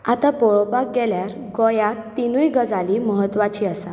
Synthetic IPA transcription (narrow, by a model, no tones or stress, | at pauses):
at̪apoɭopak̚ɡɛljaɾ | ɡojat̪ːinujɡəd͡zaliməɦət̪ːʋat͡ɕiːəsa